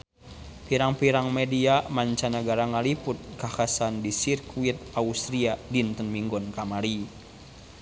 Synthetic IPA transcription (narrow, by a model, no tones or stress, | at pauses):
piɾaŋpiɾaŋmediamaɲt͡ʃanaɡaɾaŋaliput̪̚kakasandisirkuwit̪̚aust̪ɾiadint̪ənmiŋɡɔnkamaɾi